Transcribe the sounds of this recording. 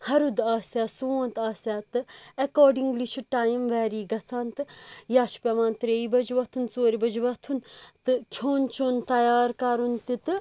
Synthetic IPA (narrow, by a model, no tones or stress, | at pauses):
hɐɾud̪aːsaːsoːnt̪aːsaːt̪ɨɐkoːɾɖiŋɡlit͡ʃʰuʈaːjmʋɛːɾiːɡɐsʰaːnt̪ɨjaːʃpʲɐʋãːnt̪ɾeːibɐd͡ʒʋɐt̪ʰunt͡soːɾibɐd͡ʒʋɐt̪ʰunt̪ɨkʰoːnt͡ʃʰoːnt̪ɐjaːɾkaːɾunt̪it̪ɨ